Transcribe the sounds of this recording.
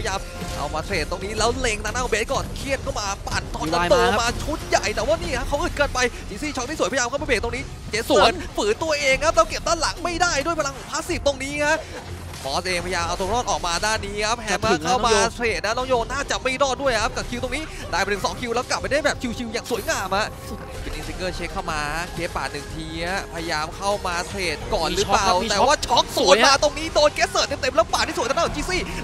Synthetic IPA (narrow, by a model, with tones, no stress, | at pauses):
jaː˧m | ʔa̰˧wmaː˧t̪ʰɾeː˨˩t̪ːo˧ŋniː˦˥lɛː˦˥wle˧ŋt̪a˧ŋnaː˥˩˨beː˦˥t̪̚kɔː˨˩nkʰi˧˩ənkʰa˥˩wmaː˧paː˨˩nt̪ʰɔː˥˩nsa˧t̪oː˧maː˧t͡ɕʰu˦˥nja˨˩jt̪ɛː˨˩waː˥˩niː˥˩kʰa˦˥kʰa˦˥wʔɯː˨˩kɤː˧npa˧jt͡ɕʰi˨˦siː˧˩t͡ɕʰɔ˦˥niː˦˥˩su˩˦pʰːjaː˧mka˥˩ma˧beː˨˩t̪o˧ŋniː˦˥ | t͡ɕe˨˧˦su˨˦ənfɯː˨˩˦t̪u˧əʔeː˧ŋkʰa˦˥p̚lɛː˦˥wke˨˩p̚t̪ʰaː˥˩la˨˩˦ŋma˥˩jdaː˥˩jdu˥˩əjpʰa˧la˧ŋ˩pʰaː˦˥si˨˩p̚t̪o˧ŋniː˦˥kʰa˦˥ | bɔː˦˥sʔeː˧ŋpʰa˧jaː˧mʔa˧wt̪o˧ŋɾɔː˥˩t̪̚ʔɔː˨˩k̚maː˧daː˥˩nːiː˦˥kʰa˦˥p̚hɛ˧˦˥ma˧˥˩kʰa˥˧˥wmaː˧t̪ʰɾeː˨˩t̪̚na˦˥nɔː˧˥˩ŋjoː˧nnaː˥˩t͡ɕa˨˩ʔma˥˩jɾɔː˥˩t̪̚du˥˩əjkʰa˦˥p̚ka˨˩kʰi˧wt̪o˧ŋniː˦˥ | daː˧˩jpnʰɯ˧˩sɔ̰ː˩˦ŋkʰi˧wlɛː˦˥wkla˨˩p̚ːa˧jda˥˩jbɛː˨˩p̚kʰi˧wt͡ɕʰi˧wjaː˨˩ŋsu˨˩˦jŋaː˧mha˧˥ʔ | pe˧nːʔi˨˧˥si˧ŋkɤː˥˩t͡ɕʰe˦˥kʰːaː˥˩wmaː˧kʰeː˦˥t̪̚pa̰ː˨˩t̪nɯ˨˩ŋt̪ʰiː˧a˦˥˩pʰa˧ja˧jaː˧mkʰa˥˩wmaː˧t̪ʰɾeː˨˩t̪̚kɔː˨˩nɾɯː˦˥plaː˨˩˨w̪ːwaː˥˩t͡ɕʰɔ˦˥k̚suː˨˦jmaː˧t̪o˧ŋniː˦˥doː˧nkeː˦˥sɤː˨˩t̪ːe˧mt̪e˧mlɛː˦˥paː˨˩t̪̚ːi˥˩st̪ːʰt͡ɕʰi˧˩siː˧˥˩